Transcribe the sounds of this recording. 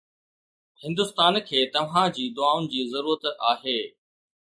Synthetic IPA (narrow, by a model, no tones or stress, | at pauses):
hɪ̃nd̪ʊst̪aːnkʰeːt̪ɐʋɦãd͡ʑiːd̪ʊaːʊnɪ̆d͡ʑiːzɐɾuːɾət̪aːɦeː